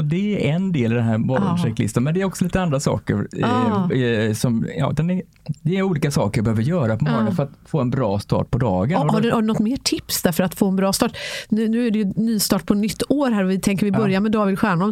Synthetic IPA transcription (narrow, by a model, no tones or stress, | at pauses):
d̪ɛæɾɛnd̪eːlɪd̪ɛnɦæːɾmɔɾɔ̰mʂɛk̚t̪lɪ̰st̪ənmɛnd̪ɛːɾɔksɔliːt̪əand̪ɾasɑ̰ːkə̰ɾ | sɔmjɑ̰ːd̪ɛnɛ | d̪ɛːɾuːliːkasɑ̰ːkəɾjɑbəøːvəɾjœːɾapʰɔmɑːɡ̪afœɾat̪foːɛnbɾɑːst̪ɑ̰ːʈ̚pʰɔd̪ɑːɡənhaɖʉhaɖʉnɔt̪ːmeːʈʰɪpsd̪æɾfœɾat̪foːɛnbɾɑːst̪ɑːʈnʉ̟ːnʉ̟ːæɖɛjɵnyːst̪ɑːʈ̚pʰɔnʏt̪ʰːoːɾɦæːɾɔvɪt̪ʰɛŋk̬əɾvɪbœɾjaɾmɛd̪ɑːvɪd̪ɧæːɳɔm